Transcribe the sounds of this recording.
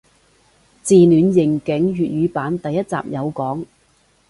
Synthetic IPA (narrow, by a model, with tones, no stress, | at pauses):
t͡siː˨nyː˨˧njɪ˨˩ŋkɪ˨˥ŋɥyː˨t̚ɥyː˨˧paː˨˥nt̪ɐ˨jːɐ˥t̚t͡sa̰ː˨p̚jɐ˨˧wkɔː˨˥ŋ